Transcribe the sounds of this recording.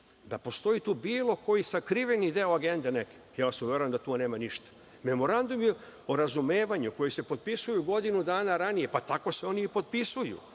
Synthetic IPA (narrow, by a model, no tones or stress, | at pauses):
d̪apo̞st̪o̞it̪uːbiːlˠo̞ko̞jisakɾiʋenid̪eoaɡe̞nd̪eneke̥jaːsuʋʲjeɾoemd̪at̪une̞ːmaniʃt̪ḁ | me̞mo̞ɾand̪umjeoɾazumeːʋaɲuko̞jise̞po̞t̪̚pisujuɡo̞d̪inud̪aːnaɾanije̞pat̪ako̞seo̞niːpo̞t̪̚pisujṵ